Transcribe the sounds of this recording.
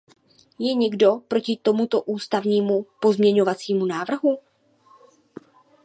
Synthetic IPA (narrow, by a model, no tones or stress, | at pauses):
jɛɲɛɡdo̞pɾo̞cɪt̪o̞mut̪o̞ʔuːst̪avɲiːmupo̞zmɲɛɲo̞vat͡siːmunaːvr̩ɦu